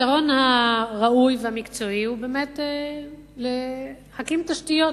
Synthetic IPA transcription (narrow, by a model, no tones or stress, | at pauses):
itaʁo̞nhaʁaujvehamikt͡so̞ihubeːmete | le | χakimt̪aʃtijo̞